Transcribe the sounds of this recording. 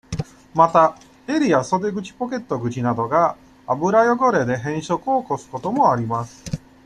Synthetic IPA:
mat̪a | e̞ɾʲiaso̞d̪e̞ɡɯ̟t͡ɕi̥po̞ke̞t̪ːo̞ɡɯ̟t͡ɕinad̪o̞ɡa | abɯ̟ɾajo̞ɡo̞ɾe̞d̪e̞ɦẽ̞ɰ̃ɕo̞kɯ̟oko̞sɨ̥ko̞t̪o̞mo̞aɾʲimasɨ̥

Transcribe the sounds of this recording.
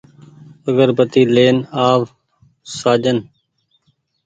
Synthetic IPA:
əɡəɾbət̪iːleːnaːʋ | saːd͡ʒən

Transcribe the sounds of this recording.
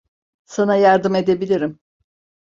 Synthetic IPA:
sanajaɾd̪ɯme̞d̪e̞bilʲiɾim

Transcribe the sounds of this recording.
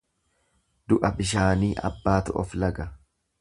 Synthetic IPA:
d̪ʊʔɐbɪʃ̬aːniːʔɐ̰bːaːt̪ʊʔɔflɐɡɐ

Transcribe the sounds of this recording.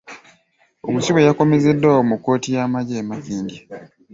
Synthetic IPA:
omusiwe̞jako̞me̞ze̞dːawomukːo̞ːtijaːmaɟeːmafiːndi

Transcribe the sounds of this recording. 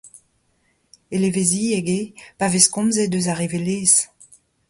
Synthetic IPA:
elevezieɡepaveskɔ̃mzed̪øzaʁeveleːz

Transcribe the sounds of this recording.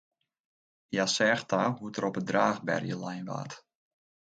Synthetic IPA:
jasɛːxtaɦutəɾɔpədraːɣbɛ̰rjəlajnʋa̰ːt

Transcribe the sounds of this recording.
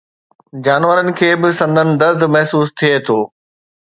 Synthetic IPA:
d͡ʑaːnʋəɾənɪ̆kʰeːbɪsɐ̃nd̪ənɪ̆d̪ɐɾd̪mɐɦsuːst̪ʰiet̪ʰoː

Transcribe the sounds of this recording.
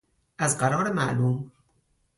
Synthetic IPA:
ʔæzɢæɾɒːɾemæʔluːm

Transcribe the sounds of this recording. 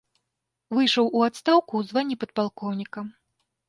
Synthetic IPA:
vɨjʂɐwʔuat̪st̪awkuwzvanʲːipɐt̪̚palˠkɔwnʲikɐ

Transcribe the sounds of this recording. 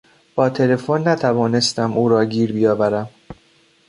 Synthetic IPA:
b̥ɒːt̪ʰe̞le̞fonːæt̪ʰævɒːne̞st̪æmʔuːɾɒːɟiːɾbijɒːvæɾæm

